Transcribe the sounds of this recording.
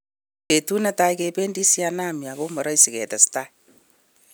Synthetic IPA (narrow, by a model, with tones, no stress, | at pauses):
e˨tu˦na˦ta˦ikepe˦ndi˦siana˦mja˨ko˦mɔɾɔ˦isi˨kɛ̰˨tɛ˨sta˦